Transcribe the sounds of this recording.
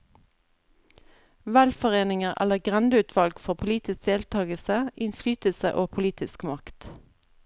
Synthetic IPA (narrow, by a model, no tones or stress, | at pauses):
ʋælfɔʁeːnɪŋəʁʔæ̰ləʁɡʁɛnd̪əʉːt̪ʰʋɑlɡfɔʁpʰʊliːt̪ɪsk̚d̪eːlt̪ʰɑːɡəlsəʔɪnflyːt̪əlsəʔoːpʰʊliːt̪ʰɪskmɑkt̪